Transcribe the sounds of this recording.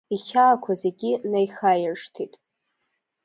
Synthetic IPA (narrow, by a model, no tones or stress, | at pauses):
iχʲaːkʷʰaze̞ɡʲinajχajɪrʂtʰitʼ